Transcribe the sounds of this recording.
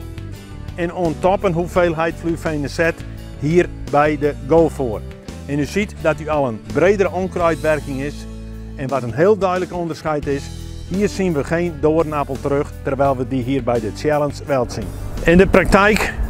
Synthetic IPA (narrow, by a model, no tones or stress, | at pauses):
ɛnoəntɔpənɦufeːlˠɦɛjtflyfejnəsɛt | hiːərbɛjdəɡoːfoːr | ɛnysitdɔtyɔlˠənbreːdəɾəʔonkrœjtʋɛrkɪŋɪs | ɛnʋatənɦeːlˠdœɥdləkondərsχɛjtɪs | hiːərsinʋəxeːndoːərnapəlˠtəɾøxtərʋɛjlˠʋədiɦiːərbɛjdəsjɛlˠənsʋɛlˠtsinɪndəprak̚tɛjk